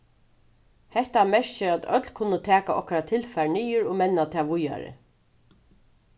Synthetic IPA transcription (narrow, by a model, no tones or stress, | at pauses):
hɛht̪amɛʂt͡ʃɪat̪œ̰t̪lkʰʊnːət̪ʰæːkaʔɔhkaɾat̪ʰɪlfæɹɳijʊɾɔmɛnːat̪ʰaːʋʊja̰ɾɪ̰